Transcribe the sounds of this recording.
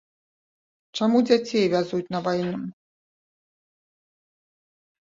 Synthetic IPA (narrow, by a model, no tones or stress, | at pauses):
t͡ʂamud͡zʲat͡sʲejvʲazut͡sʲnɐvajɛnɨm